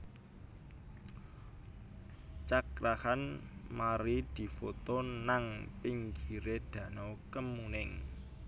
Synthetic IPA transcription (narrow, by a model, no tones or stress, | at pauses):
t͡ʃakɾahanmaɾid̪̥i̤fot̪onaŋpiŋɡiɾed̪̥ä̤nɔkəmunɪŋ